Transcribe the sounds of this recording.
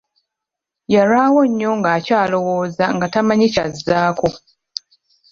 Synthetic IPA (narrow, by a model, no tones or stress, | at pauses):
jaɾaːwo̞ɲːo̞ŋɡaːcaːlo̞wo̞ːzaŋɡatamaɲicazːaːko